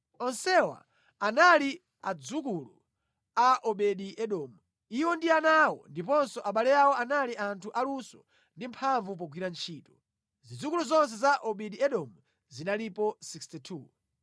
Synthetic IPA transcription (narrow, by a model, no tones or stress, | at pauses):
ɔnsɛwa̰ | anali | ad͡zukulu | aʔɔɓɛɗiʔɛɗɔːmu | iwɔndianawɔ̰ndipɔnsɔʔaɓalɛjawɔanaliʔantʰuʔalusɔ | ndimpʰaɱvup̬ɔɡwiɾant͡ʃʰiːtɔ | zid͡zukuluzɔns̬ɛzaʔɔɓɛɗiɛɗɔmu | zinalipɔsikstitʰu